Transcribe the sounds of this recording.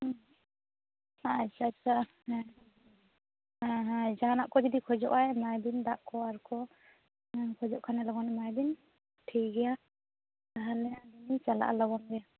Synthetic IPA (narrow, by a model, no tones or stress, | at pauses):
ɦ | at͡ʃʰat͡ʃʰa | aɦãd͡ʒaanaʔkɔd͡ʒɔd̪ikʰɔd͡ʒɔ̰ʔajmajbind̪aʔkʰɔaɾkʰɔ | kʰɔd͡ʒɔʔkʰanɛlɔɡɔnmajb̪in | ʈʰiɡɛja | aɦalɛaninit͡ʃala̰ʔa̰lɔɡɔŋɡɛa